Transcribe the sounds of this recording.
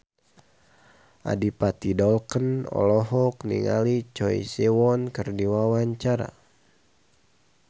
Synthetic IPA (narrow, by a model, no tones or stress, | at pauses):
ʔa̰dipat̪idɔlkənɔ̰lɔɦɔknḭŋa̰lit͡ʃɔḭsiwɔnkərdiwawaɲt͡ʃaɾa̰